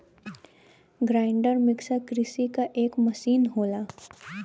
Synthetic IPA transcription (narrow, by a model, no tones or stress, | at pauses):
ɡɾaɪɳɖəɾmɪksakɾɪsikaʔeːkməsiːnɦoːla